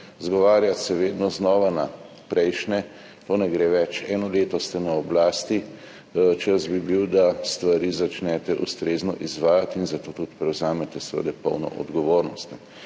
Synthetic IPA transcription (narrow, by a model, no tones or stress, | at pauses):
zɡɔʋaːɾjat̪sɛʋeːd̪nɔznɔːʋana | pɾɛjʃnɛ | t̪oːnɛɡɾeːʋɛt͡ʃɛːnɔleːt̪ɔst̪ɛnaɔblaːst̪i | t͡ʃəzbibiwd̪ast̪ʋaɾiːzat͡ʃnɛt̪ɛʔust̪ɾeːznɔ̰ʔizʋaːjat̪inzat̪oːt̪ut̪pɾɛwzaːmɛt̪ɛsɛʋə̰d̪ɛpə̰wnɔ̰ʔɔ̰d̪ɡɔʋoːɾnɔst̪ɛ